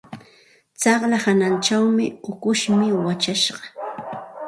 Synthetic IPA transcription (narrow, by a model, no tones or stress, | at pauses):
t͡sɑχlahanant͡ʃawmɪʊkʊʃmɪwat͡ʃaʃɢɑ